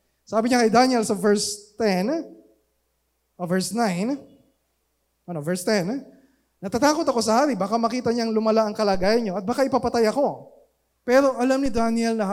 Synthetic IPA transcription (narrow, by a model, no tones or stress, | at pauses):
saːbɪɲakɐjd̪anɛlsɐvɛɹst̪ɛn | ʔovɛɹsnajn | ʔɐnovɛɹst̪ɛn | nɐt̪at̪aːko̞t̪ɐko̞s̬ɐhaːɾibaːkamɐkiːt̪ɐɲaŋlʊmɐlaʔɐŋkɐlaːɡaːjɐnɲo̞ʔɐt̪̚baːkaʔɪpapɐt̪ajɐko̞ | pɛːɾo̞ʔɐlamnɪd̪anjɛlnɐ